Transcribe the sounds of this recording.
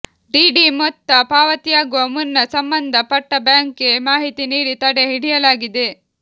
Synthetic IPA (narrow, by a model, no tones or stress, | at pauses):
ɖiːɖimɔt̪ːɐpaːʋɐt̪ijaːɡuʋɐmunːɐsɐmbɐnd̪ʱɐpɐʈːɐbjaːŋkemaːɦit̪iniːɽit̪ɐɽe̞ɦiɽijɐlaːɡid̪e̞